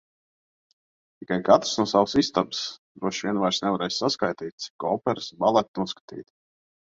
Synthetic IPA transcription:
t̪ikajkat̪ɾsnuɔsawsist̪absd̪ɾuɔʃvʲiɛnvajɾsnɛvaɾɛjsʲsaskajt̪iːt̪̚ʲt̪si̥kːɔːpɛɾsbalˠɛt̪nuɔskḁt̪ḭːt̪

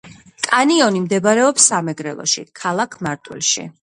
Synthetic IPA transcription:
kʼaniɔnimd̪ɛbaɾɛɔpsːamɛɡɾɛlˠɔ̰ʃḭkʰalˠakʰmaɾt̪ʼwḭlʃḭ

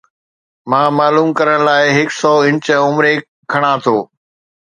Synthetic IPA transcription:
mãːmaːluːmkɐɾəɽ̃̆laːɪɦɪksɔːɪ̃nt͡ɕəʊmɾe | kʰɐɽ̃ãt̪ʰoː

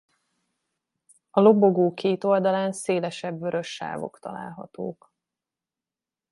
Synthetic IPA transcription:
ɒlo̞bo̞ɡoːkeːt̪o̞ld̪ɒlaːnseːlɛʃɛbvøɾø̞ʃːa̰ːvo̞̰kt̪ɒ̰la̰ːlɦɒ̰t̪o̰ːk

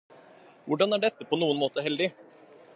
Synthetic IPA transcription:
ʋʊɖɑnæɖɛt̪ːəpʰɔnuːənmoːt̪əɦɛld̪ɪ

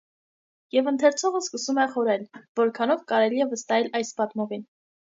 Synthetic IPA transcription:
jɛvənt̪ʰɛɾt͡sʰɔʁəskəsumɛχɔɾɛlvɔɾkʰɑnɔvkɑɾɛliɛvəst̪ɑɛlɑjspɑt̪mɔvin

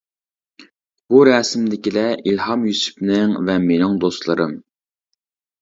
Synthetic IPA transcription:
buɾɛːsɪmd̪ɪkʲilɛʔilhɑmjysy̥pnɪŋvɛmenɪŋd̪oslˠɨɾɨm

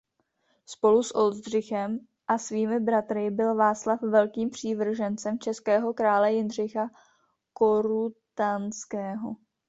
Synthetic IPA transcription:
spo̞lusʔo̞lzd̪r̝ɪxɛm | ʔasviːmɪbɾat̪ɾɪbɪlvaːt͡slafvɛlkiːmpr̝̥iːvr̩ʒɛnt͡sɛmt͡ʃɛskɛːɦo̞kɾaːlɛjɪnr̝ɪxa | ko̞ɾut̪anskɛːɦo̰

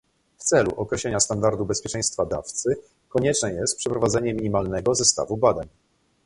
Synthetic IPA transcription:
ft̪sɛlṵʔɔkɾɛɕlɛɲast̪and̪aɾd̪ubɛspʲjɛt͡ʂɛj̃st̪fad̪a̰ft̪sɘ | kɔɲɛt͡ʂnɛjɛst̪̚pʂɛpɾɔvad̪zɛɲɛmʲiɲimalnɛɡɔzɛst̪a̰vubad̪aɲ

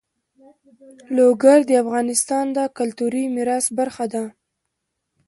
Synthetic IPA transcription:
loɡaɾd̪əafɣɑnɪst̪ɑnd̪akʊlt̪uɾimɪɾɑsbaɾxad̪a

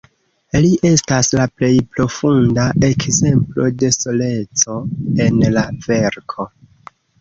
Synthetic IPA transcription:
liʔe̞staslaple̞jpɾo̞fundaʔe̞kze̞mplo̞de̞so̞le̞t͡so̞e̞nlave̞ɾkʰo̞

